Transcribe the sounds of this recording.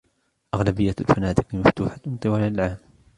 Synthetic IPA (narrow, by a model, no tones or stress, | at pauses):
ʔaɣlabɪjːalfanaːd̪ɪqɪmaft̪uːħant̪ˤɨwaːlalʕaːm